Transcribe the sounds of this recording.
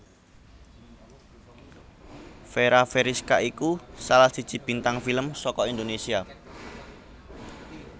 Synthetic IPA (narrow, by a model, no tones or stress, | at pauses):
feɾafeɾiskaʔikusalahsid̥d͡ʒ̥i̤b̥int̪aŋfiləmsɔkɔind̪onesia